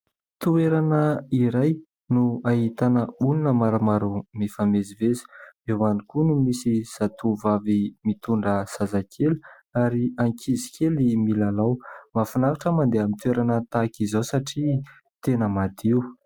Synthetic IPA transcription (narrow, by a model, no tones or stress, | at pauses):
t̪ueɾanəiɾaj | nuaɦit̪anəulunəmaɾamaɾumefamezivezi̥ewanikunumisiz̥at̪uvavimit̪uɳɖ͡ʐəz̥azakʰelu̥ | aɾiaŋkʰizikʰelimilalawmafinaɾaʈ͡ʂəmand̪eamint̪ueɾanət̪akizosaʈ͡ʂi | t̪enəmad̪iu